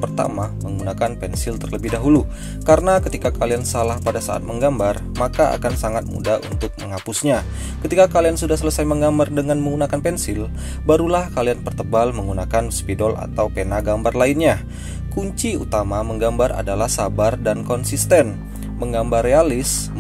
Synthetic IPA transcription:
pərt̪a̰maməŋɡunakanpɛnsɪlt̪ərləbɪhdaɦulu | kaɾənakət̪ikakaliansalahpadasa̰ʔa̰t̪̚məŋɡambar | makaa̰kansaŋat̪̚mṵdaṵnt̪ʊk̚məŋapusɲa | kət̪ikakaliansudahsələsajməŋɡambardəŋanməŋɡunakanpɛnsɪl | baɾulahkalianpərt̪əbalməŋɡunakanspidɔla̰t̪awpenaɡambarlaɪnɲa | kuɲt͡ʃiṵt̪amaməŋɡambara̰dalahsabardankɔnsist̪ɛn | məŋɡambarːealɪs

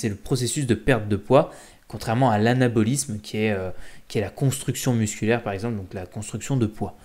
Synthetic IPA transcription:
sɛləpχɔsesys̬d̪əpɛʁt̪̚d̪əpwa | kɔ̃t̪χɛʁmɑ̃alanabɔlismkʲʰiɛøkʲiɛlakɔ̃st̪χyksjɔ̃myskʲylɛʁpaʁɛɡzɑ̃pld̪ɔ̃klakɔ̃st̪χyksjɔ̃d̪əpwa

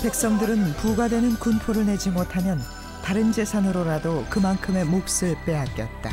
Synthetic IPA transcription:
pe̞k̚s͈ʌŋdɯɾɯnpuɡadwe̞nɯnkunpʰoɾɯɭne̞d͡ʑimotʰamjʌn | taɾɯnd͡ʑe̞sʰanɯɾoɾadokɯmankʰɯme̞mok̚s͈ɯɭp͈e̞ak͈jʌ̰t̚t͈a

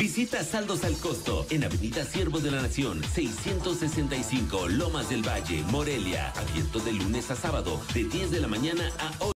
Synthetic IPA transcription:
bisit̪asald̪o̞salko̞st̪o̞̰enaβe̞niðasje̞ɾβozðe̞lanasjo̞nse̞jsje̞nt̪o̞sːe̞se̞nt̪ajsiŋko̞lo̞mazðe̞lβaʝe̞̰mo̞ɾe̞lja̰a̰βje̞nt̪o̞ðe̞lune̞sasaβaðo̞̰ðeðje̞zðe̞lamãɲanaao

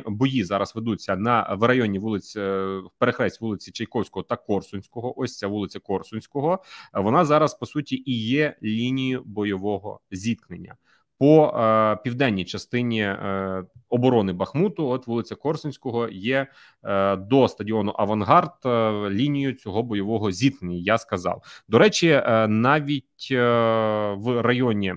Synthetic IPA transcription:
bɔjizɑɾɐzʋed̪ut͡sʲːɐnɐʋrɐjɔnʲiʋulˠɪt͡sʲpeɾexɾɛsʲtʲʋulˠɪt͡sʲit͡ʃɐjkɔwsʲkɔɦɔt̪ɐkɔrsʊnʲsʲkɔɦɔʔɔsʲt͡sʲːɐʋulˠɪt͡sʲɐkɔrsʊnʲsʲkɔɦɔʋɔnɑzɑɾɐspɔsutʲiʔijɛlʲinʲijʊbɔjɔʋɔɦɔ̰zʲit̪̚knenʲːɐ̰ | pɔpʲiwd̪ɛnʲːijt͡ʃɐst̪ɪnʲi | ɔbɔɾɔnɪbɐxmut̪ʊɔt̪ʋulˠɪt͡sʲɐkɔrsʊnʲsʲkɔɦɔjɛ | d̪ɔst̪ɐdʲiɔnʊʔɐʋɐnɦɑrt̪lʲinʲijʊt͡sʲɔɦɔbɔjɔʋɔɦɔzʲit̪knenʲːɐjaskɐzɑ̰wd̪ɔɾɛt͡ʃʲinɑʋʲitʲ | ʋrɐjɔnʲi

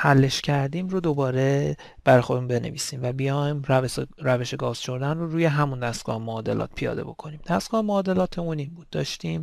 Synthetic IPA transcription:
hælːe̞ʃcʰæɾd̪iːmrod̪o̞bɒːɾe̞ | b̥æɾɒjxod̪emunbe̞nḛviːsiːmvæbijɒjmɾɾæve̞ʃe̞ɡɒːz̥ʃo̞ɾd̪ænroɾuːje̞ɦæmund̪æst̪ɡɒ̰ːhemoːd̪e̞lɒ̰ːt̪̚pʰijɒ̰ːd̪e̞̰bo̞̰kʰo̞niːmd̪̥æst̪ɡ̥ɒːhemoːd̪e̞lɒːt̪ʰeunimbuːd̪̥̚ːɒːʃt̪iːm

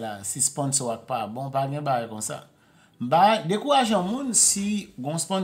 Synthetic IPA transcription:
lasispɔ̃nsɔak̚pabɔ̃paɡɛ̃baɡajkɔ̃sa̰ | m̩baɡajdekuɣaʒãmũnsiɡɔ̃spɔ̃n

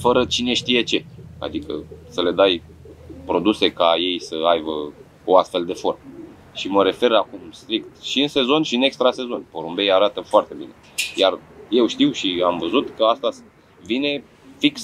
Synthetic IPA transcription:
fəɾət͡ʃine̞ʃt̪ije̞t͡ʃe̞a̰d̪ikə̰səle̞d̪aj | pɾo̞d̪use̞kaje̞jsəajbə | oast̪fe̞ld̪e̞fo̞rm | ʃiməɾe̞fe̞ɾakumst̪ɾik̚t̪ʃiɨnse̞zo̞nʲʃiɨne̞kst̪ɾase̞zo̞nʲpoɾumbe̞jaɾat̪əfoart̪e̞bine̞̰ | jarje̞wʃt̪iwʃiamvəzut̪kəast̪as | vine̞ | fiks

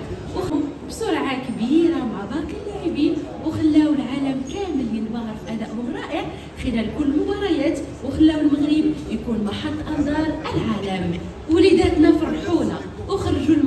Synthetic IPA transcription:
wx | bsˤʊɾʕakbiɾamaʕb̪ˤɑk̪əlːæʕibinwxəlːæwəlʕaləmkæməlːinbɑɣɑɾfʔæd̪æʔhʊmɾˤɑʔəʕ | xəlælkʊlːmʊbɑɾˤɑjæt̪ | wəxəlːæwəlməɣɾibjkunmɑħɑt̪ˤːʔɑnd̪ˤɑɾˤʔəlʕaləm | wlid̪æt̪næfɑɾˤrˤħula | wəxɾˤʒulm

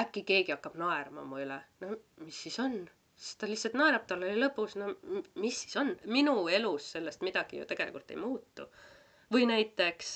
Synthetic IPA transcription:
ækːike̞ːɡiɑkːɑb̥nɑe̞rmɑ̰mɑylenomisːiso̞n | si̥st̪ɑlihtsɑlt̪nɑeɾɑp̚t̪ɑlːolʲilɤpːˑusnomisːi̥so̞nminue̞lusːe̞lːest̪mid̪̥ɑɡ̥ijṵt̪e̞ɡ̥elḭkult̪ːˑejmuːt̪ːṵ | vɤjnæjt̪ːˑe̞ks

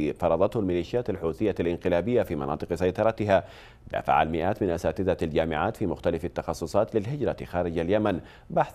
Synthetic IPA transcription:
fɑɾˤɑðˤɑt̪hʊlmɪliːʃɪjaːt̪alħuːθɪjːalʔɪnqɪlaːbɪjːafiːmɑnɑ̰ːt̪ˤɨqsajt̪ˤɑɾˤɑt̪ɪɦaː | d̪a̰ːfa̰ʕa̰lmɪʔaːt̪mɪnʔasaːt̪ɪd̪ald͡ʒaːmɪʕaːt̪fiːmʊxt̪alafat̪ːɑxɑsˤːʊsˤɑːt̪lɪlɦɪd͡ʒɾˤɑxaːɾɪd͡ʒaljaman | baħθ

